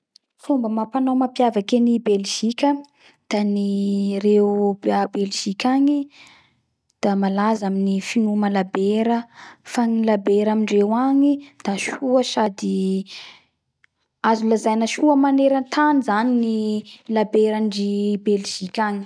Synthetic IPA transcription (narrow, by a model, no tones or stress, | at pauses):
fumbəmapanawmapjavakenibelʒ̥ikʲə | d̪̥anirewbabelʒ̥ikʲaɲi | d̪̥amalazaminifinumalabeɾəfanilabeɾamiɳɖ͡ʐewaɲid̪̥aʃuəʃad̪i | azulazajnəʃuəmaneɾant̪ʰanizaninilabeɾaɳɖ͡ʐibelʒ̥ikʲaɲi̥